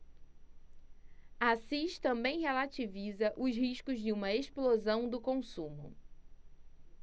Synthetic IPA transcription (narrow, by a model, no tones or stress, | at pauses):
asiʃt̪ɐ̃mbẽj̃ɦelat͡ʃivizɐʔʊʃhiʃkʊzd͡ʒɪũmɐeʃplozɐ̃w̃d̪ʊkõsũmʊ̰